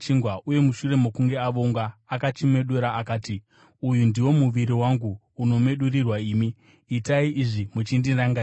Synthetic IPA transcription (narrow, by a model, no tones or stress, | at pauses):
t͡ʃiŋɡwaʔuje̞muʃure̞mo̞kuŋɡe̞aʋoŋɡaːkat͡ʃime̞ɗweɾaːkaːti | ujundiwo̞muʋiɾiwaŋɡuː | no̞me̞ɗurirwaiːmi | itaiʔiʐimut͡ʃindiraŋɡa